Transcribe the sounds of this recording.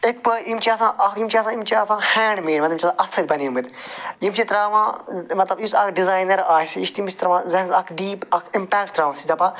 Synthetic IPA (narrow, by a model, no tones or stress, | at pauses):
ek̚pəʔimt͡ʃʰiɐsãːʔɐkjimt͡ʃʰiɐsãːimt͡ʃʰiɐsãːhɛːɳɖmeːɖmɐt̪imt͡ʃʰʲɐsãʔɐt̪sɐlʲbɐniumit̪jimt͡ʃʰit̪ɾaːʋãːmɐt̪lɐbisɐkɖizaːjnɐɾaːsiiʃt̪imt͡ʃʰit̪ɾɐʋãːzɐɐkɖiːpɐkʰɪmpɛːk̚ʈɾaːʋãsid̪ɐpãː